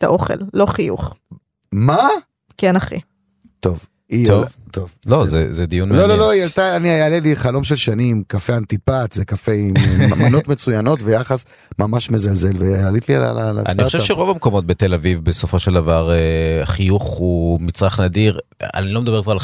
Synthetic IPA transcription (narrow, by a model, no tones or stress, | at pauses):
t̪aʔo̞χḛllo̞χijṵχ | ma | kenaχḭ | t̪o̞v | ivt̪ovlozezed̪ijunlolo̞loijalt̪aːniajaːleliχalo̞mʃelʃanimkafeant̪ipatzekafemano̞tme̞t͡sujano̞tvejaχas | mamaʃmezalze̞lvealitliaa̰lala̰a̰niieaʁoʃeʃeʁo̞vamko̞mot̪̚bet̪e̞lavivbeso̞fo̞ʃeld̪avaʁeχijuχumit͡sʁaχnad̪iʁ | a̰nilo̞med̪abekvaʁa